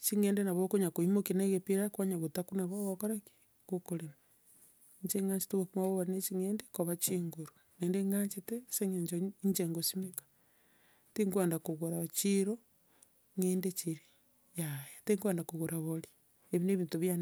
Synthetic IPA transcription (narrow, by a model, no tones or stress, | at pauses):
t͡ʃiŋeːndenaβokoɲakoimokinaɣepiɾakwaɲaβotakunaβoɣokoɾaki̥ | kokolema | ɲd͡ʒeŋaːɲt͡ʃe̥teɣokumaβoβanet͡ʃiŋeːndekoβat͡ʃiŋɡoɾu | ŋeːndeŋaɲt͡ʃeteseŋeɲd͡ʒoɲd͡ʒeŋɡosimekḁ | tiŋɡueːndakoɣoɾaβt͡ʃiɾo | ŋeːndet͡ʃiɾi | jajeteŋɡweːndakoɣoɾaβoli | eβineβiːntuβjan